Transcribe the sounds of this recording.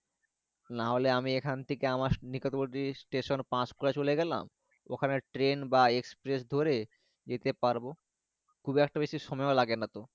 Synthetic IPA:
naɦoleamiekʰant̪ʰekeamaɾnikot̪oboʈisʈeʃonpãskoɾat͡ɕoleɡɛla̰m | o̰kʰaneʈɾenbaekspɾesd̪ʱoɾe | d͡ʑet̪epaɾbo | kʰubiɛk̚ʈabeʃiʃɔmɔeolaɡenat̪o

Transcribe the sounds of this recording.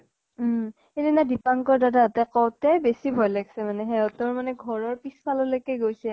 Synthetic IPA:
edinadipaŋkɔɹdadatɛkɔwtɛbesibʱɔjlaɡsɛmanɛɦɛʊtɔɹmanɛɡʱɔɹɔɹpispʰalɔlojkɛɡojsɛ

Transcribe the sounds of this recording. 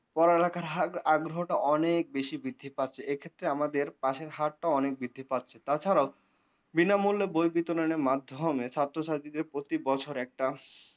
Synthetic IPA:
pɔɾelakaɾaɡɾoɦoʈaʔɔnek̚beʃibid̪ʱːipat̪ːt͡ɕʰeekʰet̪ːɾeamad̪eɾpaʃeɾɦaʈʈaɔnek̚bid̪ʱːipat̪ːt͡ɕʰet̪at͡ɕʰaɾao | binamulːebojbit̪oɾoneɾmad̪ʱːomet͡ɕʰat̪ːɾoʃat̪id̪eɾpɾot̪ibɔt͡ɕʰoɾɛk̚ʈa

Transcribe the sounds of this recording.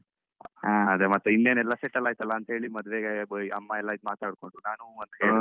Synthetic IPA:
aːɐd̪emɐt̪ːeinːeːnɛlːaseʈːɐlːaːjt̪ɐlːɐːnt̪ɦeːɭimɐd̪ʋeɡebəjɐmːaɛlːaid̪maːt̪aːɽkoɳɖunaːnuɐnt̪keeːɭ

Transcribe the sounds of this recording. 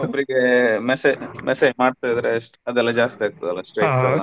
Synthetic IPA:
ɔbːɐɾiɡemɛsemʔɛseːd͡ʒmaːɖt̪ajd̪ɾesʈɐd̪ɛlːɐd͡ʒaːst̪iaːɾ̚t̪ːɐd̪ɐlːɐsʈɾɐjʈsɐɐ

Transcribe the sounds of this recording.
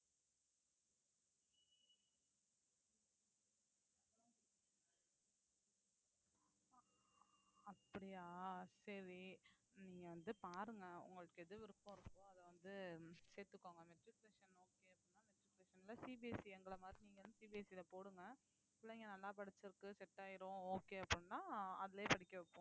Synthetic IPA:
ɐ̃ | ɐpːɐɽɪjaːsɐɾiniːŋɡɐʋɐnd̪ɯpaːɾɯŋɡɐʊ̰ŋɡɐɭɯkːɯɛðɯʋɪɾɯpːõɪɾɯkːʊ̃ɐðɐʋɐnd̪ɯseːɾt̪ːɯkːoːŋɡɐmɛʈɾɪkleːʂɐnoːkeːɐpːɽnːaːmɛʈɾɪkleːʂɐnlɐsiːbisiɛŋɡɐɭɐmaːd̪ɾiniːŋɡɐʋɐnd̪ɯsiːbiɛsilɐpoːɽɯŋɡɐ | pɪlːɐŋɡɐnɐlːaːpɐɽɪt͡ʃːɪɾɯkːɯsɛʈːaːjɪɾõoːkeːɐpːɐɽnːaːɐðɪleːpɐɽɪkːɐʋɪpːõ

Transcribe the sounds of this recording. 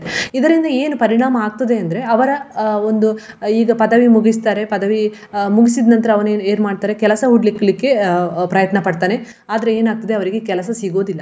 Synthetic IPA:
id̪ɐɾind̪ɐe̞ːnupɐɾiɳaːmɐaːɡ̚t̪ɐd̪e̞ɐnd̪ɐɾe̞ɐʋɐɾɐo̞nd̪u | iːɡɐpɐd̪ɐʋimuɡist̪aːɾe̞pɐd̪ɐʋi | muɡisid̪nɐnt̪ɐɾɐɐʋɐneːne̞ːɾmaːɽɖ̚t̪aːɾekɛlɐsɐɦuɽlikːɐlikːe̞pɾɐjɐt̪nɐpɐɽt̪aːne̞ | aːd̪ɐɾe̞eːnaːɡ̚t̪ɐd̪eɐʋɐɾiɡekɛlɐsɐsiɡo̞ːd̪ilːɐ

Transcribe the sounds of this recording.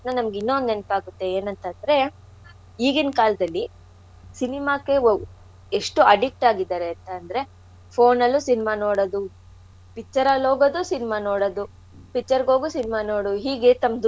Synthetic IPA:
nɐnɐmɐɡinːond̪enpaːɡut̪ːe̞eːnɐnt̪ɐnd̪ɐɾe̞ | ɦiːɡinkaːlɐd̪ɐlːi | sinimaːkːe̞ | eʂʈuɐɖik̚ʈaːɡid̪aːɾeɐnt̪ɐɐnd̪ɐɾe̞ | pʰoːnɐlːusinimano̞ːɽod̪u | pikt͡ʃːɐɾaːloːɡod̪usinimanoːɽod̪u | pikt͡ʃːɐɾɡo̞ːɡusinimaːnoːɽuɦiːɡe̞t̪ɐmd̪u

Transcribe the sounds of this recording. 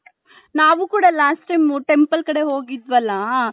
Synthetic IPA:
naːʋukuːɽalaːsʈɐjmuʈe̞mpɐlkɐɽe̞ɦo̞ːɡid̪ʋɐlːɐ

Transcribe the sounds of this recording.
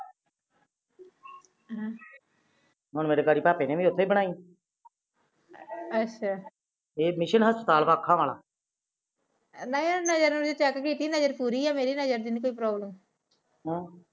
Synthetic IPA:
ɦʊnmeːɾeːkaːɾiːpaːpeːneːʋĩːʊt̪ʰːoːiːbəɽ̃aːiː | ətːʃʰaː | eːmɪʃənɦəspət̪aːlpaːkʰːãːʋaːla̰ː | naĩnəd͡ʒəɾnud͡ʒet͡ʃɛːkkiːt̪iːnəd͡ʒəɾpuːɾiːɛːmeːɾiːnəd͡ʒəɾd̪iːnikoːiːpɾɔːbləm | ɦː

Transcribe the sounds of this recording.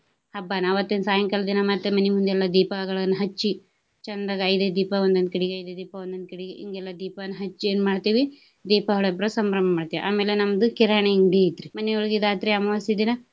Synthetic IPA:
hɐbːaːnɐʋɐt̪ːeːnsaːjɐŋkɐlɐd̪inɐmɐt̪ːemɐnimund̪ɛlːɐd̪iːpaɡɐɭɐnːɐɦɐt͡ʃːi | t͡ʃɐnd̪ɾɐɡɐjd̪ed̪iːpɐond̪ɐnt̪kiɽiɡeɐjd̪ed̪iːpɐʋond̪ɐnd̪̚kiɽiɡeḭŋɡɛlːɐd̪iːpɐnːɐɦɐt͡ʃːieːnmaːɖt̪iːʋi | d̪iːpɐɦɐɭɐbɾɐsɐmɾɐmbɐmaːɖt̪iːʋḭʔa̰ːmeːlenɐmd̪ukiɾaːɳeŋɖeit̪ɾimɐnɛoɭɡid̪aːt̪ɾiɐmɐʋɐsid̪inɐ

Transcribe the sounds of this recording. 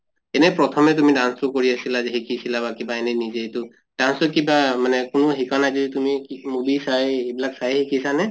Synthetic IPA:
ɛnɛpɹɔtʰɔmɛt̬umidansʊkoɹiasilazeɦikisilabakibaɛnɛnizetʊ | d̥ansʊkibamanɛkʊnʊɦikanajzɔditumikimubisajejbilaksajhikisanɛ

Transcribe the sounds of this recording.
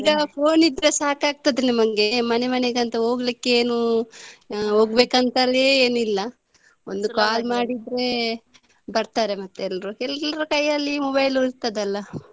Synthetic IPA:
iɡɐpʰo̞ːnid̪ɾe̞saːkaːɡ̚t̪ɐd̪enɐmɐŋɡe̞mɐne̞mɐneɡɐnt̪ɐɦo̞ːɡlikːeeːnu | ɦoːɡbeːkɐnt̪ɐleeːnuilːɐ | ond̪ukaːlmaːɽid̪ɾe̞ | bɐɾt̪aːɾemɐt̪ːuɛlːɐɾuɛlːɐɾukɐjɐlːimɔbɐjluɾt̪ːɐd̪ɐlːɐ

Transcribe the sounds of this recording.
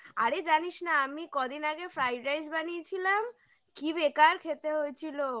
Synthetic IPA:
a̰ɾed͡ʑaniʃnaamikɔd̪inaɡefɾajɾajsbaniet͡ɕʰilam | kibekaɾkʰet̪eɦoet͡ɕʰilo

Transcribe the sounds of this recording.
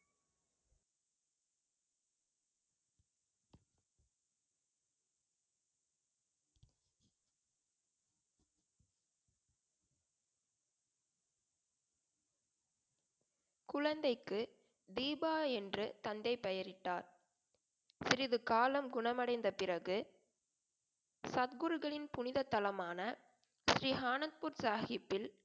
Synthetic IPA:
kʊɻɐnd̪ɐɪkːɯ | d̪iːbaːɛndrɯt̪ɐnd̪ɐɪpɛjɐɾɪʈːaːɾ | sɪɾɪðɯkaːlɐmɡʊɳɐmɐɽɐɪnd̪ɐpɪrɐɣɯ | sɐð̚ɡɯɾɯɣɐɭɪnpʊnɪðɐt̪ːɐlɐmaːnɐ | sɾiːɦaːnɐt̪̚pʊɾsaːxɪpːɪl

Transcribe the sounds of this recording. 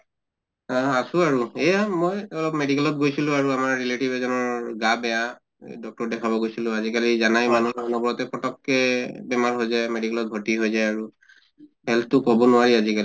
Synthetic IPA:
aasʊaɹuɛjamɔjɔlɔpmedikɛlɔt̚ɡojsilʊ̃aɹuamaɹːiletibɛzɔnɔɹɡabɛja | dɔk̚tɔɹdɛkʰabɔɡojsilʊ̃azikalizanajmanuɔnɔbɔɹɔtɛpɹɔtɔkːɛbɛmaɹɦojzajmedikɛlɔt̚bʱɔtiɦojzajaɹu | hɛlt̚tʊkɔbɔnʊwaɹiazikali

